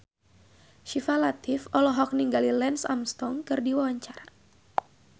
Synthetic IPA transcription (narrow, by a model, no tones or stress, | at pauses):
ʃifalat̪ifɔlɔɦɔk̚niŋɡalilɛnsa̰mst̪ɔŋkɨrdiwawaɲt͡ʃaɾa